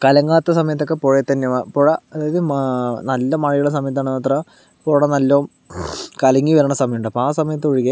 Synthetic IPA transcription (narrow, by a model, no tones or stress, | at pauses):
kɐlɐŋɡaːt̪ːɐsɐmɐjɐt̪ːo̞kːepoːɻet̪ːɐnːemapoːɻɐɐðaːjɐðɨmnɐlːɐmɐɻijuɭes̬ɐmɐjɐt̪ːaːɳɨnːɐt̪ːrɐ | poːɽɐnɐlːoːm | kɐlɐŋɡiʋɐɾɐɳɐsɐmɐjuɳɖɨɐpːoaːsɐmɐjɐt̪̬ːɨoɻikːe